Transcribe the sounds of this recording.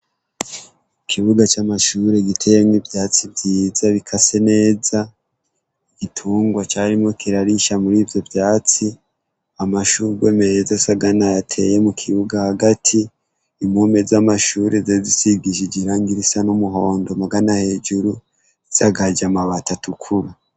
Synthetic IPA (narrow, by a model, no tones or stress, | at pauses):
kʰiβuɡat͡ʃamaʃuːɾe̞ɡitʰe̞jemivjaːt͡sibjiːz̥aβikʰase̞ne̞ːza | iɡ̥itʰuːŋɡwat͡ʃaːɾimo̞kʰiɾaɾiʃamuɾiːvjo̞vjaːt͡si | amaʃuːɾiɡwe̞ːmeezasaɡanajatʰe̞je̞mukʰiβuɡahaɡatʰiː | mumezamaʃuːɾezezisiɡiʒid͡ʒiɾaːŋɡiɾisanumuɦo̞ːndo̞maɡanahe̞ːd͡ʒuɾu | izaɡad͡ʒamaβatatukʰuɾa